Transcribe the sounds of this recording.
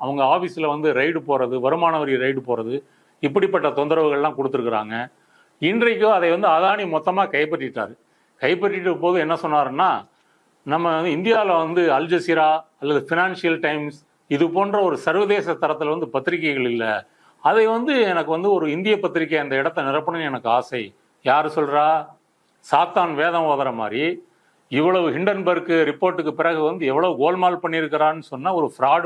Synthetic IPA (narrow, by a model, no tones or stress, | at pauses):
ɐʋɐŋɡɐaːfiːsɪlɐʋɐnd̪ɯɾɐɪʈɯpoːɾɐðɯʋɐɾɯmaːnɐʋɐɾɪɾɐɪʈɯpoːɾɐðɯ | ɪpːɐɽipːɐʈːɐt̪ɔnd̪ɐɾɐʋɯɣɐɭlãːkɔɽɯt̪ːɯɾɯkːɪɾa̰ːŋɡɐ | ɪndrɐkːɯɐðɐɪʋɐnd̪ɯɐðaːnimɔt̪ːɐmaːkɐjpːɐʈːɪʈːa̰ːɾɯ | kɐɪpːɐʈːɪʈːɯpoːðɯɛnːɐsɔnːaːɾɯnːaː | nɐmːɐnd̪ɯɪnd̪ɪjaːlɐʋɐnd̪ɯɐld͡ʒɐsɪɾaːɐlːɐðɯfɪnaːnsɪjɐlʈɐɪms | ɪðɯpoːndrɐɔɾɯsɐɾʋɐðeːsɐt̪ːɐɾɐt̪ːɯlʋɐnd̪ɯpɐt̪ːɪɾɪkːɐɪɣɐɭɪlːɐ̰ | ɐðɐɪʋɐnd̪ɯɛnɐkːɯʋɐnd̪ɯɔɾɯɪnd̪ɪjɐpːɐt̪ːɪɾɪk̬ːɐɪɐnd̪ɐɪɽɐt̪ːɐnɪɾɐpːɐɳɯnɛnɐkːɯaːsɐɪ | jaːɾɯsɔlɾaː | saːt̪aːnʋeːðɐmʋoːðɐɾɐma̰ːɾi | ɪʋːɐɭɐʋɯɦɪɳɖɐɾnbɐɾkːɯɾɪpːoːɾʈːɯkːɯpɪɾɐɣɯʋɐnd̪ɯɛʋːɐɭɐʋɯɡoːlmaːlpɐɳːɪɾɯkːɪɾaːnːɯsɔnːaːɔɾɯfɾaːɽ